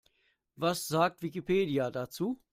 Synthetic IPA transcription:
vasz̥aːk̚tv̥ikipʰeːdiadat͡suː

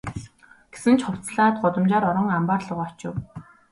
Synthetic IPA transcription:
ɡ̥e̥sɘ̆nt͡ɕχʊw̥t͡sɮaːt̪̚ɢʊt̪ə̆mt͡ɕaːɾɔɾɞ̆ŋampaːrɮə̆ʁɔt͡ɕɪ̰̆w

